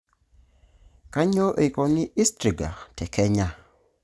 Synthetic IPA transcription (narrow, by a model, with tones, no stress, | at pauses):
ka˦ɲo˦ʔe˨kɔ˨nɪ˦ʔɪ˦stɾi˨ɡa̰˨tʰɛ˨kɛ˦ɲa˦